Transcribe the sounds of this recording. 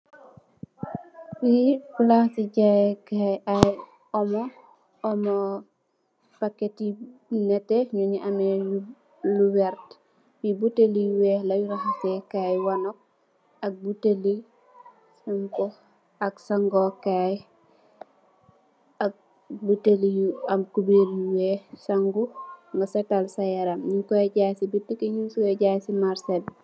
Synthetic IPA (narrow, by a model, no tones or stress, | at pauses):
wifulahsiɟajkajaj | ɔmɔ | ɔmɔ | paketinɛtɛɲuɲiʔamɛu | luwɛɾt | wibuteliwɛːlajuɾaxasɛkajwanɔk̚ | ɐk̚buteli | sumkɔ | ɐksaŋɡɔkaj | ɐk̚ | butelijuɐmkubeɾjuwɛsaŋɡuŋɡasɛtalsajaɾamɲukɔɟaːsibitːikeɲunsukɔɟaːsimaɾsɛl